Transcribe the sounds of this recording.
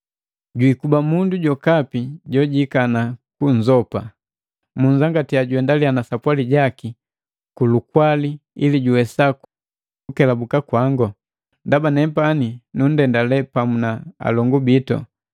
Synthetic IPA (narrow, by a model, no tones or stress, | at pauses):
ɟwikubamunduɟɔkapiɟɔɟikanakuɲd͡ʒɔpa | muɲd͡ʒaŋɡatiaɟuwɛndalianasapwaliɟaki | kulukwaliiliɟuwɛsak | ukɛlabukakwaŋɡɔ | ndabanɛpaninun̩dɛndalɛpamunaa̰lɔŋɡubitɔ̰